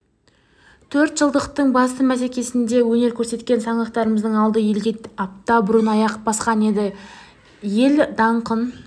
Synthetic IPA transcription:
t̪ʰɵɾt̪ʒəlˠd̪əqt̪əɴbɑst̪əmæs̬e̞kʲe̞sɪnd̪e̞wɵne̞ɾkʲʰɵɾse̞t̪kʲe̞nsɑɴɑqt̪ɑɾəməzd̪əɴɑlˠd̪əje̞lɡʲe̞ɑp̚t̪ɑbʊɾənɑjɑqbɑsqɑne̞d̪ɪ | je̞ld̪ɑɴqən

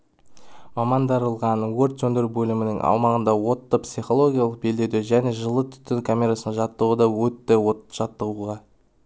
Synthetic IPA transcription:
mɑmɑnd̪ɑɾəlˠʁɑnwɵɾt̪sɵnd̪eɾubɵlɪmɪnɪŋʔɑ̰wmɑʁənd̪ɑwo̞t̪ːəpsiχo̞lˠo̞ɡʲijalˠəq̚be̞ld̪e̞d̪eʒæne̞ʒəlˠət̪ʰʏ̥t̪ːeŋkʰamʲe̞ɾasənʒɑt̪ːəʁəd̪ɑwɵt̪ːɪwo̞t̪ʒ̥ɑt̪ːəʁuʁɑ

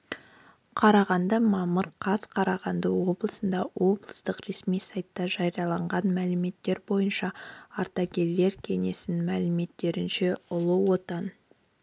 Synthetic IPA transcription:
qʰɑɾɑʁɑnd̪əmɑməɾqʰɑzqʰɑɾɑʁɑnd̪əwo̞blˠəsənd̪ɑwo̞blˠəst̪əqɾe̞smijsɑjt̪ːɑʒɑjɾijɑlˠɑɴʁɑnmælɪme̞t̪ːe̞ɾbo̞jənʃɑːɾt̪ɑkʲe̞lːe̞ɾkʲʰe̞ŋe̞sɪnnmælɪme̞t̪ːe̞ɾɪnʃe̞ʊlˠəwo̞t̪ɑn

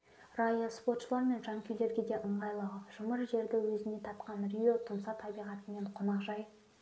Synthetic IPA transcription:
rajospot̪ʃlˠɑɾme̞nʒɑŋkʲʰʏjle̞ɾɡʲe̞d̪e̞ʔəɴʁɑjlˠɑʁəpʒ̥ʊməɾʒe̞ɾd̪ɪwɵzɪne̞t̪ʰɑpqɑnrʲijot̪ʰʊmsɑt̪ʰɑbijʁɑt̪əme̞ɴqʰonɑqʒɑj

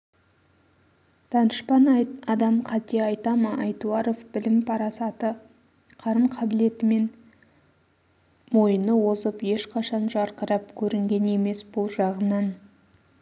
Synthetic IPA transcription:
d̪̥ɑnəʃpɑnɑd̪ɑmqʰɑt̪eɑjt̪ɑmɑʔɑjt̪uɑɾo̞fb̥ɪlɪmpʰɑɾɑsɑt̪ə | qʰɑɾəmqʰɑbɪle̞t̪ɪme̞n | mo̞jənəwo̞zəpje̞ʃqʰɑʃɑnʒɑɾqəɾɑp̚kʲʰɵɾɪŋɡʲe̞ne̞me̞sbʊlˠʒɑʁənɑn

